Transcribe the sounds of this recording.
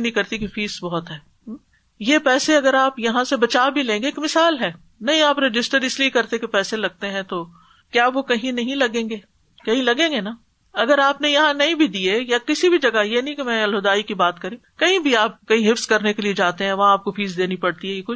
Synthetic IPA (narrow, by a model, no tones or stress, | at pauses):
nɦĩkɐɾt̪ikifiːsbɐɦʊt̪ɦɛː | jepɛːseɐɡəɾaːpjɐɦãsebɐt͡ʃaːbʱilẽːŋɡeːkmɪsaːlɦɛː | nɐɦĩaːpɾed͡ʒɪsʈəɾɪsliekɐɾt̪ekepɛːselɐɡ̚t̪eɦɛ̃t̪o | kjaːʋokɐɦĩnɐɦĩlɐɡẽːɡeː | kɐɦĩlɐɡẽːŋɡena | ɐɡəɾaːpnejɐɦãnɐɦĩbʱid̪iejakɪsibʱid͡ʒɐɡajenɐɦĩkemɛ̃ːɐlɦʊd̪aːikibaːt̪kɐɾẽkɐɦĩbʱiaːp̚kɐĩɦɪfskɐɾnekelied͡ʒaːt̪eɦɛ̃ʋɐɦãːp̚kofiːsd̪eːnipɐɽt̪iɦɛjekʊt͡ʃ